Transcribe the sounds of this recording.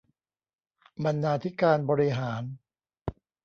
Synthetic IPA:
ba˧nːaː˧t̪ʰi˦˥kaː˧nbɔː˧ɾi˦˥ɦaː˩˦n

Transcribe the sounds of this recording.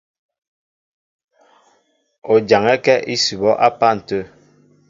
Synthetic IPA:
o˨d͡ʒa˨ŋɛ˦kɛ˦ʔi˦su˨bɔ˦ʔa˦pa˦n̩˨tə˦˨

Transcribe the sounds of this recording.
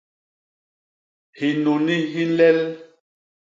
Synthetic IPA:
hi˨no˨ni˦ɦi˦lɛ˦l

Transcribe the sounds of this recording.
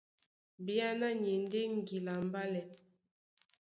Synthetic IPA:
bi˦a˦na˦ɲe˨nde˦ŋ˦ɡi˨la˨m˦ba˦lɛ˨

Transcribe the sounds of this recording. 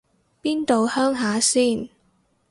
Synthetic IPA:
piː˥nt̪o˨whœː˥ŋɦaː˨˥siː˥˩n

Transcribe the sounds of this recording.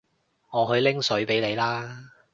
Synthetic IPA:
ŋɔː˨˧ɦɵ˧ɥlɪ˥ŋsɵ˨˥ɥpe˨˥jle˨˧jlaː˥

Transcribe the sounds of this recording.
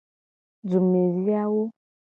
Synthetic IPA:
d͡zu˨me˨ɾi˦a˦wo˦

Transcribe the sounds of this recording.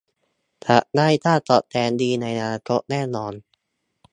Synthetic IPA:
t̪ʰa̰˨˩ʔna˥˩jt̪ʰaː˥˩t̪ɔː˨˩t̪ʰɛː˧ndiː˧na˧jnaː˧kʰo˦˥ʔ̚nɛː˥˩nɔː˧n

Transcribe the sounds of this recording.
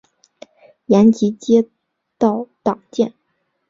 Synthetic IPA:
ja˧˥nt͡ɕi˧˥t͡ɕjɛ˥ | t̪ɑ˥˩ʊt̪ɑ˨˩ŋt͡ɕjɛ˥˩n

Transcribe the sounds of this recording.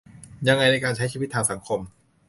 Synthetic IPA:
ja˧ŋːa˧jna˧jkaː˧nt͡ɕʰa˥jt͡ɕiː˧˩˦t̪ʰːaː˧ŋsa˩˦ŋkʰo˧m

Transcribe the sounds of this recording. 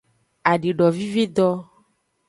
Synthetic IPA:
a˨ɖi˨ɖɔ˨vi˦ve˦d̪ɔ˦

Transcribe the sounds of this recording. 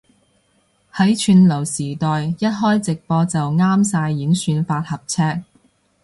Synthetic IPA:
hɐ˨˥jt͡ʃʰyː˧nlɐ˨˩wsiː˨˩t̪ɔː˨jjɐ˥t̚ɦɔː˥jt͡sɪ˨k̚pɔː˧t͡sɐ˨wŋaː˥msaː˧jːiː˨˥ŋsyː˧nfaː˧t̚hɐ˨p̚t͡sʰɛː˥k̚

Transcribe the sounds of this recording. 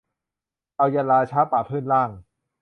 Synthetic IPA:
ʔa˧wjaː˧laː˧t͡ɕʰaː˦˥paː˨˩pʰɯː˥˩nlaː˥˩ŋ

